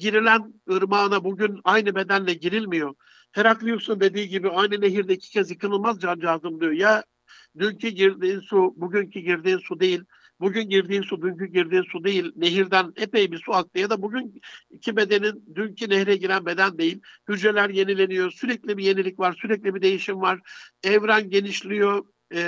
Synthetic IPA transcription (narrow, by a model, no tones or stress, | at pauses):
ɟiɾilʲænɯɾmaːnabuɟynajnɯbe̞d̪ænlʲɛɟiɾilʲmijo̞ | t̪ʰeɾaklˠɯjosund̪e̞d̪iːɟibiajnɯneɦiɾd̪ɛicʰi̥cʰɛzjɯkʰɯnɯlˠmazd͡ʒand͡ʒaːzɯmlˠɯjoja | d̪yncʰyɟiɾd̪iːnsubuɟyncʰiɟiɾd̪iːnsud̪e̞jilʲ | buɟynɟiɾd̪iːnsud̪yncyɟiɾd̪iːnsud̪e̞jilʲne̞ɦiɾd̪ænepejbisuak̚t̪ɯjad̪abuɟynicʰibe̞d̪e̞nind̪yncʰinɛhɾɛɟiɾænbe̞d̪ænd̪e̞jilʲhyd͡ʒɾe̞lʲæɾje̞nilʲe̞nijosyɾɛclʲibije̞nilʲicvaɾsyɾɛclʲibid̪e̞jiʃimvaɾ̥ɛvɾænɟe̞niʃlʲijo̞